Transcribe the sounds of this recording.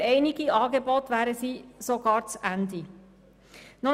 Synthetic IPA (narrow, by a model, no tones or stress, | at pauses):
ɛɪnɪɡiɑːɡebɔtʋæːɾəsiːsoɡɑːɾt͡sʔændi | nɔ